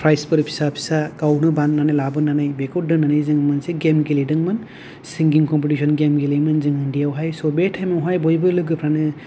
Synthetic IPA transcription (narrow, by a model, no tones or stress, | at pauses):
pʰɾajspɯɾpʰi̥sapʰi̥sakawnɯbanːanajlabɯnanajbekɔwt̚dɯnanajzɯŋmanseɡemɡelidɯŋmɯn | siŋɡiŋkɔmp̬itisʰɔnɡemɡelimɯnzɯŋindijawɦajsɔbetʰajmɔŋɦajbɔjbɯlɯɡɯpʰɾanɯ